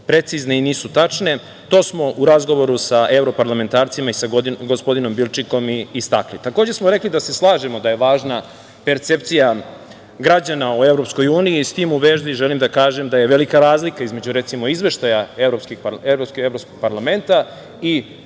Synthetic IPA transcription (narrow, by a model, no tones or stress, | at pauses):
pɾe̞t̪sizneiniːsut̪at͡ʂne̞ | t̪o̞ːsmo̞ʔuɾazɡo̞ʋo̞ɾusae̞vɾo̞paɾlame̞nt̪aːɾt̪simaisaɡoɡospo̞d̪ino̞mbilˠt͡ʃiko̞miːst̪aklit̪ako̞ːd͡ʑesmoɾe̞klid̪ase̞slˠaːʒemo̞d̪aje̞ʋaːʒna | pe̞ɾt̪se̞p̚t̪sija | ɡɾad͡ʑanaue̞vɾo̞psko̞juːniist̪iːmuʋeːʒd̪iʒelimd̪akaːʒe̞md̪aje̞ʋe̞likaɾaːzlikaizme̞d͡ʑuɾe̞t̪simo̞izʋe̞ʃt̪ajaevɾopskixpeɾopskeɾopskoɡ̥̚paɾlame̞nt̪a | i